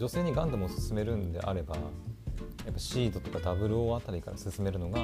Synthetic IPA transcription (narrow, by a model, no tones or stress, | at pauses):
d͡ʑo̞se̞ːɲ̟iɡãnd̪amosɨ̥sɨme̞ɾɯ̟̃nd̪e̞̰ʔa̰ɾe̞ba | japːaɕiːd̪o̞t̪o̞kad̪abɯ̟ɾɯ̟oat̪aɾʲikaɾa̰sɨsɨme̞ɾɯ̟no̞ɡa